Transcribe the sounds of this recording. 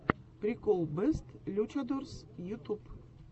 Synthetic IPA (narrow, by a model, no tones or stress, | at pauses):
pɾʲikolˠbɨst̪lʲut͡ɕad̪ursjut̪up